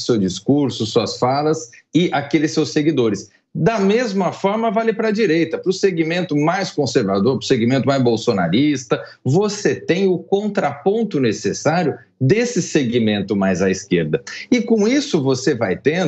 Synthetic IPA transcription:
sewd͡ʒiskuɾsʊsuɐsfalɐsɪʔakelɪsewseɡid̪oɾɪs | d̪ɐmezmɐfɔɾmɐvalɪpɾɐd͡ʒiɾejt̪ɐpɾʊseɡimẽnt̪ʊmajskõseɾvad̪oɾpɾʊseɡimẽnt̪ʊmajzbowsonaɾist̪ɐvoset̪ẽj̃ʊkõnt̪ɾapõnt̪ʊnesesaɾjʊ | d̪esɪseɡimẽnt̪ʊmajzaiskeɾd̪ɐɪkõw̃isʊvosevajt̪ẽ

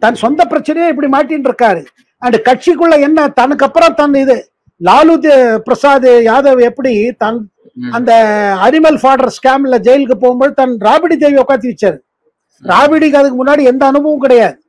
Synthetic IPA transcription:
t̪ɐnsɔnd̪ɐpɪɾɐt͡ʃːɪnɐjãɛp̬ːɐɽimaːʈːiːnɖɪɾɯkːaːɾɯ | ɐnɖɯkɐʈ̚t͡ʃikːɯɭːɐɛnːɐt̪ɐnɯkːɐpːɯɾõt̪ɐnɪðɯ | laːlud̪pɪɾɐsaːðɯjaːðɐʋɯɛpːɐɽit̪ɐn | ɐnd̪ɐɐnɪmɐlfaːɽɐɾskaːmɪlːɐd͡ʒɛjɐlk̬ːɯpoːɣɯmboːðɯt̪ɐnɾaːbɪɽid̪eːʋiɔkːaːɾt̪̬ːiʋɐt͡ʃːaːɾɯ | ɾaːbɪɽikːɐðɯk̬ːɯmʊnːaːɽiɛnd̪ɐːnɯbɐʋɐ̃mkɪɽɐjaːðɯ

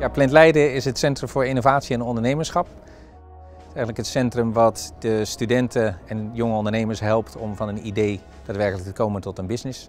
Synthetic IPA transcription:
jaːplɪntlɛjdəɪsɦətsɛntrəmvʊːɹɪnovaːtsiɛnɔndəɹnejməsχɑp̚ | ɛjχənləkɦətsɛntrəmʋɑtdəstydɛntʰəɛnjɔŋəɔndəɹnejməɹsɦɛlˠptɔmvɑnənidej | d̥aːtʋɛɹkələk̚təkowməntɔtənbɪsnɪs

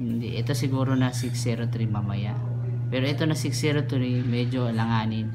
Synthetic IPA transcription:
hɪnd̪iʔɛt̪o̞sɪɡuːɾonɐsɪksɛɾot̪ʊɾimɐmɐjaʔ | pɛːɾoʔɛt̪o̞nɐsɪksɛɾot̪ʊɾimɛd͡ʒolɐŋaːnɪn

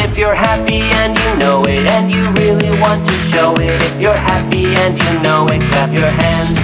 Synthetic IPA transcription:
ɪfjə˞hæpiɨ̃njɨnoʊɪɾɨ̃njɨɹɪlˠiwɑ̃ntʰɨʃoʊɪɾɪfjə˞hæpiɨ̃njɨnoʊɨ̃nkʰæpjə˞hæ̃nz̥

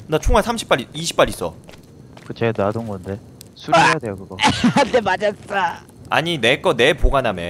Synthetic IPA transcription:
nat͡ɕʰoŋɦasʰamɕʰi̥p͈aɾiiɕʰi̥p͈aɾis͈ʌ̰ | kɯt͡ɕenadoŋɡʌnde̞ | sʰuɾiejade̞jokɯɡʌdemad͡ʑas͈a | a̰ɲinek͈ʌne̞poɡaname

